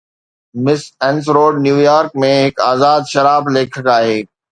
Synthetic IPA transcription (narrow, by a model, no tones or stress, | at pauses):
mɪsɛ̃ːnsɾoːɖnjuːjaːɾk̚mẽɦɪkaːzaːd̪ʃɐɾaːbleːkʰəkaːɦeː